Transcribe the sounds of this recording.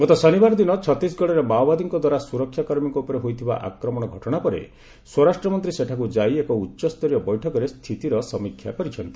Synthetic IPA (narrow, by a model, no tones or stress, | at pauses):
mɔt̪ɔsɔnibaɾɔd̪inɔt͡ʃʰɔt̪isɡɔɽeɾemawbad̪iŋkɔd̪waɾasuɾɔkʰjakɔɾmiŋkɔupɔɾeɦojt̪ʰiba̰ʔa̰kɾɔmɔɽ̃ɔɡʱɔʈɔɽ̃apɔɾḛ | swɔɾasʈɾɔmɔnt̪̬ɾiseʈʰakud͡ʒajekɔutːʃɔst̪ɔɾjɔbɔjʈʰɔkɔɾest̪ʰit̪iɾɔsɔmikʰːja̰kɔɾit͡ʃʰɔnt̪i̥